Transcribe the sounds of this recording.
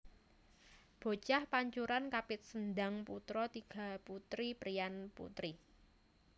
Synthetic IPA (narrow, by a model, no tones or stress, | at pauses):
b̥o̤t͡ʃahpaɲt͡ʃuɾankapɪt̪̚səndaŋput̪ɾɔt̪iɡ̥ä̤put̪ɾipɾianpṵt̪ɾi